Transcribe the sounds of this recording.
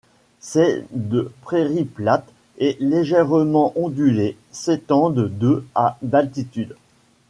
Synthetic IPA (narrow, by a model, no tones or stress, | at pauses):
sɛd̪əpχeʁiplat̪ | ɛleʒɛʁmɑ̃ʔɔ̃d̪yle | set̪ɑ̃d̪d̪øad̪alt̪it̪yd̪